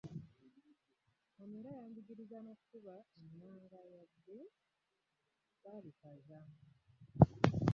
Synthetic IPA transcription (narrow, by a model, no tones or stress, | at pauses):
momiɾajaːɲbiɟiɾizanokukuβaeminaːŋɡajad̪ːe | βalikaʒamu